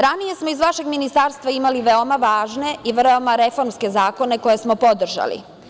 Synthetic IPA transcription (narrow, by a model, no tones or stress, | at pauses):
ɾanije̞smoizʋaʃe̞ɡminist̪aɾst̪ʋaimaliʋeomaʋaːʒne̞iʋromaɾe̞fo̞ɾmske̞zaːko̞ne̞ko̞jesmopod̪r̩ʒa̰lḭ